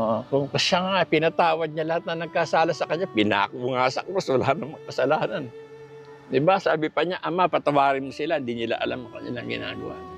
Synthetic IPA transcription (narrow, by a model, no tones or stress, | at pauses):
ʔoʔokʊŋkɐʃaŋapɪnɐt̪aːwɐd̪̚ɲalɐhat̪̚nɐnɐɡ̚kasaːlasɐkɐɲɲapɪna̰ːkuŋasɐ̰komɐswɐla̰ːnɐŋmɐkɐsɐlaːnɐn | d̪ɪbasaːbɪpɐɲaʔɐmapɐt̪ɐwaːɾɪnmʊsɪlahɪnd̪inɪla̰ʔɐ̰lamɐŋkɐnɪ̰laŋɡɪ̰na̰ːɡɐ̰wa̰